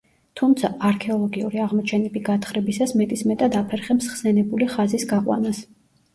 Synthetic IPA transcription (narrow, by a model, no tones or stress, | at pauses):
t̪ʰumt̪sʰaʔaɾkʰɛɔlˠɔɡiṵɾiaʁmɔt͡ʃʰɛnɛbiɡat̪ʰχɾɛbisasmɛt̪ʼismɛt̪ʼad̪apʰɛɾχɛbsχsɛnɛbuliχazisɡaqʼwa̰nas